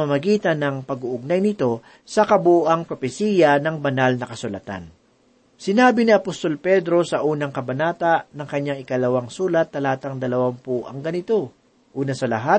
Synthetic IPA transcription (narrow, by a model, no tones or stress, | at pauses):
amɐɡiːt̪ɐnɐŋpɐɡʊʔʊɡ̚najnɪt̪o̞ | sɐkɐbuʔaŋpɾopɛsiːjɐnɐŋbɐnalnɐkɐsʊlɐ̰t̪a̰n | sɪnaːbɪnɪʔɐpost̪o̞lpɛd̪ɾo̞sɐʔuːnɐŋkɐbɐnaːt̪ɐʔnɐŋkɐɲaŋɪkɐlɐwaŋsuːlɐt̪̚ːɐlaːt̪ɐŋd̪ɐlɐwampoʔɐŋɡɐnɪt̪o̞ | ʔuːnɐsɐlɐɦat̪̚